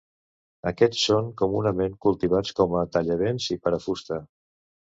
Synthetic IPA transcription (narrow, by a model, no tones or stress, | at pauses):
əkɛt͡sːoŋkumunəmeŋkulˠt̪iβ̞at͡skɔmət̪əʎəβenzipəɾəfust̪ə